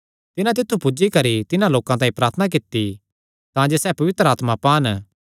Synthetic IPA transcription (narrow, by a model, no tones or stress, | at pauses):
t̪ɪnãt̪̬ɪt̪ʰːupʊd͡ʒikɐɾit̪ɪnãloːkãt̪aːĩpɾaːɾt̪ʰnak̬ɪt̪ːi | t̪ãːd͡ʒeːsɛːpɐʋɪt̪ɾəaːt̪mãpaːn